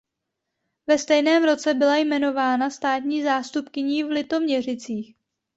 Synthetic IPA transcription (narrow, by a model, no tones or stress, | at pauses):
vɛst̪ɛjnɛːmɾo̞t͡sɛbɪlajmɛno̞vaːnast̪aːt̪ɲiːzaːst̪upkɪɲiːvlɪt̪o̞mɲɛr̝ɪt͡siːx